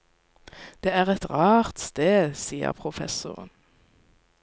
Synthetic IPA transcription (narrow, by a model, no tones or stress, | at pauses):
d̪̥eːæːʁɛt̪ʁɑːʁt̪st̪eːd̪siːə̰ʁpʰʁʊfɛ̰sʊʁə̰n